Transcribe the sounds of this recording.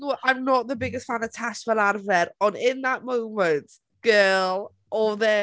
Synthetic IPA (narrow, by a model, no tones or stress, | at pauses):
oʔãɪ̃mnəʔðəbɪɡɪstfãnətʰat͡ʃfəlaɾvɛɾə̃nɪ̃nðəʔmõʊmə̃nt | ɡ̥ɜːlˠ | ʔɔðɛ